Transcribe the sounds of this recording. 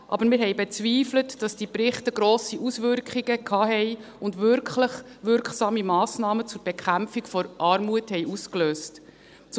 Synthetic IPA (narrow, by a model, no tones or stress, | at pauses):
ʔɑ̰bəɾmɪːɾɦɛjbɛt͡sʋiːflətd̥ɑsd̥ipɾɪχtəɡɾoːsiʔusʋʏɾkχiɡəkʰɑːɦɛj | ʊndʋʏɾkχləχʋʏɾkχsɑːmimɑːsnɑːmət͡sʊɾb̥ɛkʰχæmfikfɔɾʔɑːɾmuəthɛjʔuskløːst | t͡s